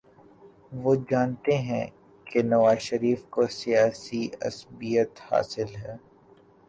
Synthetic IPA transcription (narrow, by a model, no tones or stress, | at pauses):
ʋoːd͡ʒaːnt̪eɦɛ̰̃ | kenɐʋaːzʃɐɾiːfkosijaːsiɐ̰sbijət̪ha̰ːsɪlɦɛː